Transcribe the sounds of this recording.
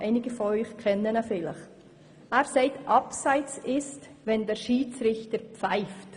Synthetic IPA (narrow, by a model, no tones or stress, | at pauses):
aɪnɪɡəfɔœʏxkʰɛnːənafɪlə̰x | ɛːɾseɪtʔɑpsaɪt͡sɪstvɛndɛːɾʃiːt͡sɾɪçtəɾpp͡faɪft